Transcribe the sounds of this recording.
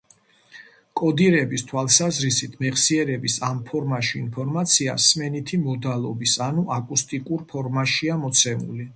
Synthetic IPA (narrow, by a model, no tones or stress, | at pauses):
kʼɔd̪iɾɛbist̪ʰwalˠsazɾisit̪ʰmɛχsiɛɾɛbisampʰɔɾmaʃiːnpʰɔɾmat̪sʰia̰smɛnit̪ʰimɔd̪alˠɔbisanuʔakʼust̪ʼikʼuɾpʰɔɾmaʃiamɔt̪sʰɛmṵli